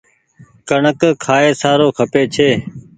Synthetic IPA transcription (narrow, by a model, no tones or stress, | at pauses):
kəɳəkkʰaːeːsaːɾoːkʰəpeːt͡ʃʰeː